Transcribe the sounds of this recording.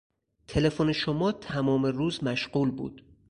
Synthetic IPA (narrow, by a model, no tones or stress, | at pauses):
t̪ʰe̞le̞foneʃomɒːt̪ʰæmɒːme̞ruːzmæʃɢuːlbṵːd̪̥